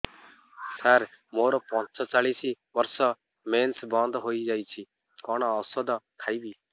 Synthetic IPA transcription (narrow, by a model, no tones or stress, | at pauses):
səɾ | moːɾɔpɔ̃t͡ʃsɔt͡ʃaɭisi | bəɾsɔ | mensbɔ̃nd̪ɦoːid͡ʒaːjt͡ʃʰi | kɔɽ̃ɔːsɔd̪kʰaːibiː